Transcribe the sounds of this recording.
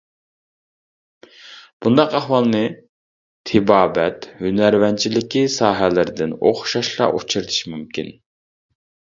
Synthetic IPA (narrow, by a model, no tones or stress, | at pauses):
b̥und̪ɑqæhwɑlˠnɨ | t̪ʰɪbɑːbɛt̪hynæɾvɛnt͡ʃʰilɪkʲisɑːɦɛlɪɾɪd̪ɪno̰χʃɑʃlˠɑ̰ʔut͡ʃʰiɾɨt̪ʰɨ̥ʃimymkʲḭn